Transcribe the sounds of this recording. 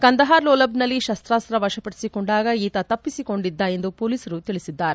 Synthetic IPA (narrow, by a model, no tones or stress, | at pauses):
kɐnd̪ɐɦaːɾloːlɐbnɐlːiʃɐst̪ɾaːst̪ɾɐʋɐʂɐpɐʈi̥sikoɳɖaːɡɐiːt̪ɐt̪ɐpːisiko̞ɳɖid̪ːae̞nd̪upoːliːsɐɾut̪iɭisid̪ːaːɾe